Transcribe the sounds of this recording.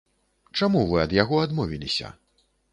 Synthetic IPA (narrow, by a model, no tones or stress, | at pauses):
t͡ʂamuvɨɐd̪jaɣɔad̪mɔvʲilʲisʲɐ̰